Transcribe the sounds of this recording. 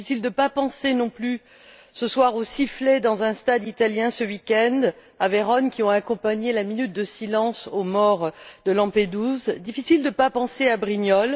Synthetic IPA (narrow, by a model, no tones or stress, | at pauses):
fisild̪əpapɑ̃senɔ̃ply | səswaʁosifled̪ɑ̃zɛ̃st̪ad̪it̪aljɛ̃səwikʲɛ̃nd̪ | aveʁɔnkʲiɔ̃akɔ̃paɲelaminyt̪̚d̪əsilɑ̃somɔʁd̪əlɑ̃ped̪uzd̪ifisild̪əpapɑ̃seabʁiɲjɔl